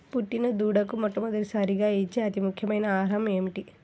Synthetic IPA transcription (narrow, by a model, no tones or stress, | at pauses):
puʈːinɐd̪uːɽɐkumɔʈːɐmɐd̪ɐlisɐɾiɡaːit͡ʃːeːɐt̪imukʰjɐmɐjnɐaːɾɐme̞ːmiʈi